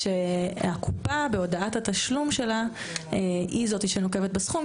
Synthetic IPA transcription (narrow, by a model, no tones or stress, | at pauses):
ʃeakʰupabeo̞daathat̪aʃlumʃe̞la | eizo̞t̪iʃenoke̞vet̪̚besχum